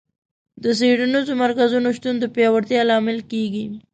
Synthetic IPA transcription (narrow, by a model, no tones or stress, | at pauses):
d̪əs̬eɽanizomaɾkazunoʃt̪und̪əpjɑwaɾt̪jɑlɑmɪlkeɡi